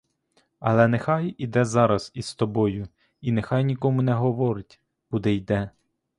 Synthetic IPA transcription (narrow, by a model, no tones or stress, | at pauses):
ɐ̰lˠɛnexɑjid̪ɛzɑɾɐz̥ist̪ɔbɔjʊ | inexɑjnʲikɔmʊnɛɦɔʋɔɾɪtʲ | kud̪ɛjd̪ɛ